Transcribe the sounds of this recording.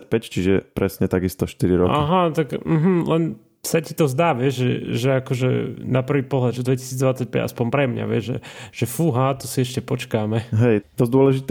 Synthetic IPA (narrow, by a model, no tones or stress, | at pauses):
pɛct͡ʃiʒɛpɾɛsɲɛt̪aɡist̪ɔʃt̪iɾiɾɔʔa̰ɦat̪aɡm̩ɦm̩lɛn | sacit̪ɔzd̪aːʋɪɛʒʒɛʒɛakɔʒɛ̰napr̩ʋiːpɔɦlad̪ʒɛd̪ʋɛci̥siːd͡zd̪ʋat͡sːac̚pɛ̰ɟa̰spɔmpɾɛmɲa̰ʋɪɛʒʒɛ̰ʒ̥ɛfuɦat̪ɔsiɛʃcɛpɔt͡ʃkamɛɦɛjd̪ɔzd̪ʊɔlɛʒit̪